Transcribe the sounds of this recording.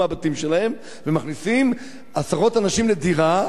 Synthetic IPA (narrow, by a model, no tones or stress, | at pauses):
abat̪imʃelahe̞m | vemaχnisim | asaʁo̞tanaʃimlediʁa